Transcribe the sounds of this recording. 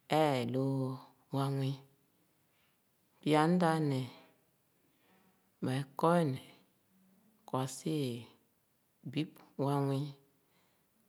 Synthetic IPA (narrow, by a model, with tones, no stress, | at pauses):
ɛ˦˨lo˦˧˦ | wa˦ŋwi˦ | pi˦a˨˦n˦da˦nɛ˨ | mɛ˨kɔ˦˨nɛ˨ | kwa˨se˦˨ | bi˦pwa˦ŋwi˦